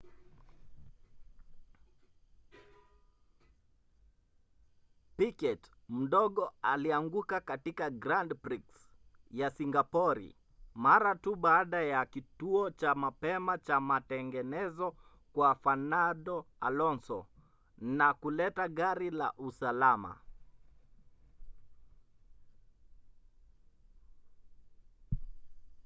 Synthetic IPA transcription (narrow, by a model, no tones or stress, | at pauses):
pikɛt | m̩ɗɔɠɔaliaŋɡukakatikaɡɾandpɾiks | jasiŋɡapɔɾḭ | maɾatuɓaːɗajakituɔt͡ʃamapɛmat͡ʃamatɛŋɡɛnɛzɔ | kwafanaɗɔa̰lɔnsɔ̰ | nakulɛtaɠaɾila̰ʔusalama̰